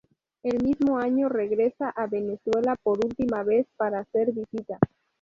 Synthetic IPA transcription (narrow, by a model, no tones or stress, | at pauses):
e̞lmizmoaɲore̞ɣɾe̞saʔaβe̞neswe̞lapo̞ɾult̪imaβe̞spaɾaseɾβisit̪a